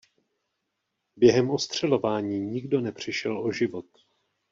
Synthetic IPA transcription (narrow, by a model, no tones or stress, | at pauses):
bjɛɦɛmʔo̞st̪r̝̥ɛlo̞vaːɲiːɲɪɡdo̞nɛpr̝̥ɪʃɛloʒɪvo̞t̪̚